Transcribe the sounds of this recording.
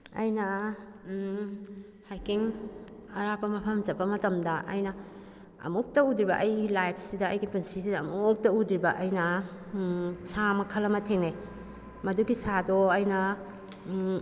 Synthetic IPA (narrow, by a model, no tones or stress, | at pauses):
ɐ̰jnɐ | hajkiŋ | ɐɾapɐmɐpʰɐmzɐpːɐmɐtɐmdɐʔɐ̰jnɐ | ɐ̰muk̚tɐudɾibɐ̰ʔɐjɡilajpʰsidɐːjɡipunsisidɐːmuk̚tɐudɾibɐʔɐjnɐ | sʰamɐkʰɐlɐmɐtʰeŋne | mɐduɡisadɔɐjnɐ